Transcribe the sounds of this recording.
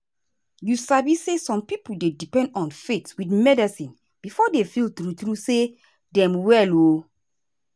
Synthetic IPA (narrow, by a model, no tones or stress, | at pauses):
jusabisːesɔ̃mpipuldedipɛ̃ndɔ̃nfetwitmɛdɛsĩn | b̥ifɔdefiltɹutɹuse | dɛ̃mwɛlo